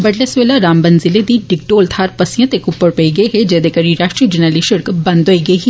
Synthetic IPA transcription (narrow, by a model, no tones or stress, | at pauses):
bəʈlesʋeːlaɾaːmbənzɪled̪iːɖɪk̚ʈoːlt̪ʰaːɾpəsɪjãt̪ekʊpːəɽpəiːɡəeɦed͡ʒeːd̪ekəɾiɾaːʃʈɾiːd͡ʒənaːliːʃəɾkbə̃nd̪ɦoiːɡəiɦi